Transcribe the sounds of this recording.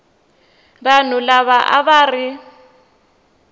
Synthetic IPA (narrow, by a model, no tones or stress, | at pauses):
ran̤ʊlaβaʔa̰βarɪ